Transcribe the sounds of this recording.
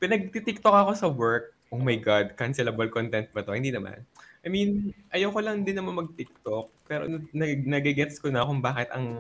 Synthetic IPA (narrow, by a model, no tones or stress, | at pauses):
pɪnɐɡ̚t̪it̪ɪk̚t̪okɐko̞sɐwɛɹk̚ | ʔoːmɐjɡad̪̚kɐnsɛlɐbɐlkont̪ɛnt̪̚bɐt̪o̞hɪnd̪iːnɐma̰nʔɐjminʔɐjɐwkolɐŋd̪ɪnːɐmanmɐɡ̚t̪ɪk̚t̪ok̚pɛːɾo̰nɐnɐɡnɐɡɛɡɛt̪skonɐkʊŋbaːkɛt̪ɐŋ